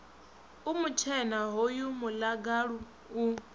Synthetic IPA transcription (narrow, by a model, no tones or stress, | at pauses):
umut͡ʃʰɛnaɦojumulaɡaɺu | u